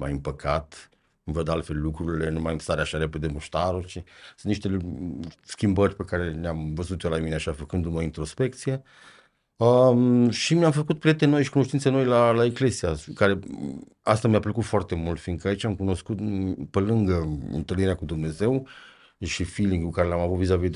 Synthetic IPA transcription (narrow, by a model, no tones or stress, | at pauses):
ma̰jɨmpəkʰat̪ | ɨmvəd̪alt̪fe̞llukɾuɾile̞numajmst̪aɾeaʃaɾe̞ped̪e̞muʃt̪aɾot͡ʃesɨnt̪niʃt̪e̞ | skʲimbərʲpe̞kaɾe̞neamvəzut̪jolamineaʃafəkɨnd̪uməint̪ɾo̞spe̞k̚t̪sije | əʃimamfəkut̪̚pɾiet̪eno̞jʃikuno̞ʃt̪int̪seno̞jlalaekle̞zijakaɾe̞ | ast̪ameaplekut̪foart̪e̞mult̪fiŋkəait͡ʃamkuno̞skut̪pelɨŋɡəɨ̰nt̪əlniɾeakud̪umne̞ze̞w | ʃifiliŋɡkukaɾeleamavut̪vizavid̪